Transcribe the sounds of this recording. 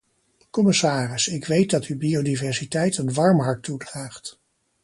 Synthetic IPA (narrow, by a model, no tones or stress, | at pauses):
kɔmɪsaːrɪsɪkʋejt̚dɑtybiodivɛɹsitɛjtənʋɑɹmɦɑɹtːudraːχt